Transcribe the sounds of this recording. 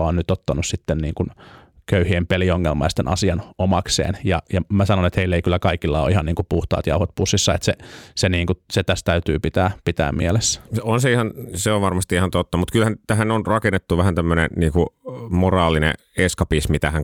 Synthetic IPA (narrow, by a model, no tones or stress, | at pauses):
ɑoːnnyt̪ot̪ːɑnussit̪ːenniːŋkun | køyhiempelioŋːelmɑ̰ist̪enʔɑ̰siɑnomɑksḛːnjɑjɑmæsɑnonet̪heilːeikylːækɑikilːɑo̰ihɑnniːŋkupuht̪ɑ̰ːt̪jɑuhot̪̚pusːisːɑet̪seseniːŋkuset̪æst̪æyt̪yːpit̪æːpit̪æ̰ːmmḭelesːonseihɑnseoʋʋɑrmɑst̪iihɑnt̪ot̪ːɑmut̪kylhænt̪æhænonrɑkenːet̪ːuʋæhænt̪æmːønḛniːŋkumorɑːlinḛ | eskɑpismit̪æhæŋ